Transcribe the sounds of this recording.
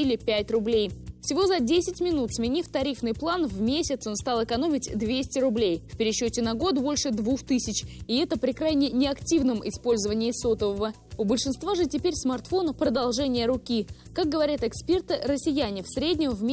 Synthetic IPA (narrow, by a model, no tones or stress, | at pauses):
ilʲɪpʲætʲrʊblʲejfsʲɪvo̞zɐdʲesʲɪtʲmʲɪnut̪smʲɪnʲift̪ɐɾʲifnɨjplˠanvmʲesʲɪt̪sonst̪alˠɨkɐno̞mʲɪtʲd̪vʲesʲtʲɪɾʊblʲejfʲpʲɪɾʲɪɕːotʲɪnɐɡo̞t̪bo̞lʲʂɨd̪vuxt̪ɨsʲɪt͡ɕɪɛt̪əpɾʲɪkɾajnʲɪnʲɪɐktʲivnəmʔɪ̰spo̞lʲzəvənʲɪɪsot̪əvəvə | ʊbəlʲʂɨnst̪vaʐɨtʲɪpʲeɾʲsmɐrt̪fo̞nəpɾəd̪ɐlˠʐɛnʲɪjəɾʊkʲikak̚ɡəvɐɾʲat̪ɛkspʲe̞rt̪ɨɾəsʲɪjænʲɪfsɾʲedʲnʲɪmvmʲ